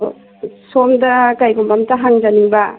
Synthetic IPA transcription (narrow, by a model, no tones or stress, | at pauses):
somdɐkajɡumbɐmtɐɦaŋzɐnibɐ